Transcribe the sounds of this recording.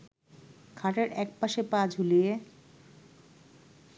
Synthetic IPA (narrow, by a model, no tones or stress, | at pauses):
kʰaʈeɾɛk̚paʃepad͡ʑʱulie